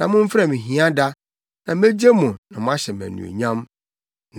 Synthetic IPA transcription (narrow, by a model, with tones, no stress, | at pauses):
nã˨mʊ̃˦m̩˦fa˨mɪ̃˨ɦĩ˦a˦da˦ | nã˨m˦e˦d͡ʑe˦mʊ̃˨nã˨m̃˦a˦ɕɛ˨mæ̰̃˨nṵ̃˨o̰˨ɲã˦m | n